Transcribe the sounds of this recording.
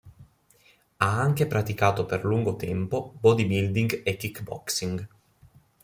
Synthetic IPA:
aaŋk̟epɾat̪ikaːt̪operluŋɡot̪ɛmpobɔd̪ibild̪iŋɡekːikːbɔ̰ksiŋɡ

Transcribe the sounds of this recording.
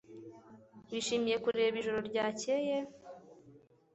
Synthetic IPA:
wiʃiːmije̞kuɾeːβiʒoɾo̞ɾɟaːceje

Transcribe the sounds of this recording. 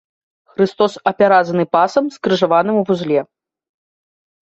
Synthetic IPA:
xɾɨst̪ɔsɐpʲaɾad̪zɐnɨpasɐmskrɨʐavanɨmwvuzlʲɛ

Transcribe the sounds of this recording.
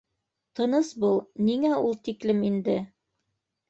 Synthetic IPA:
t̪ɤ̆nɤsbulˠniŋæulˠt̪iklɘmind̪ɘ

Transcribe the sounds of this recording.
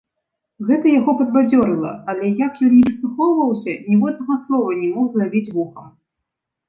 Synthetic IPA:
ɣɛt̪ɐjaɣɔpɐd̪̚bad͡zʲɔɾɨlˠɐ̰ɐlʲɛjakjɔnːʲɛpɨslˠuxɔwvɐwsʲɐnʲɛvɔd̪̚nɐɣɔslˠɔvɐnʲɛmɔxzlabʲid͡zʲvuxɐm

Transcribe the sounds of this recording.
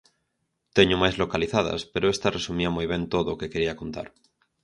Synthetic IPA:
t̪e̞ɲomajzlo̞kaliθað̞a̰spe̞ɾoe̞st̪aresumiamujβ̞ẽ̞nt̪oðoːke̞ke̞ɾiakont̪a̰ɾ

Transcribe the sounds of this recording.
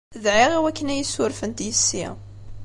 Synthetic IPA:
ðʕiʁiwækːənæjəsʊɾfənt̪jəsːḭ

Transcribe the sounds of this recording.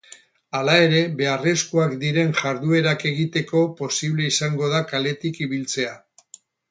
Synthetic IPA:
alae̞ɾe̞βe̞are̞skuakd̪iɾe̞nʝaɾðue̞ɾake̞ɣit̪e̞ko̞po̞siβle̞isaŋɡo̞ðakale̞t̪ikiβilt͡se̞a

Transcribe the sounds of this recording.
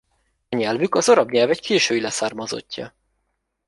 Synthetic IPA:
ɒɲɛlvykɒzoɾɒbɲɛlvɛckʰeːʃøːilɛsaːrmɒzo̞̰cːɒ̰

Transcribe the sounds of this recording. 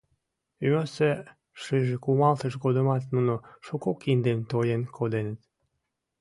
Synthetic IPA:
ymøse | ʃɨʒekumɑlt̪əʃɡod̪əmɑt̪nunoʃokokind̪emt̪ojenkʰod̪enət̪

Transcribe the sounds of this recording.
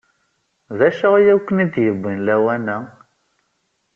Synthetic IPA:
ðæʃəʁjæwkːənid̪jəbːinlæwænæ

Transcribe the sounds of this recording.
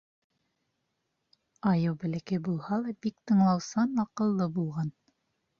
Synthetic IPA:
ɑjɤwbɘ̆lækæjbulˠhɑlˠɑbikt̪ɤ̆ɴlˠɑwsɑnɑqɤ̆lˠːɤbulˠʁɑn

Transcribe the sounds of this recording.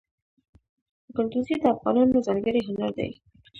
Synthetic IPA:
kʊɾd̪uzid̪əafʁɑnɑnːozaɾɡaɾiɦʊnaɾd̪ḛj

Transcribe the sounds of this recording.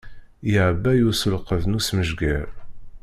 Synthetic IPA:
jɪʕəbːæjusəlqəðnusməʒɡæɾ

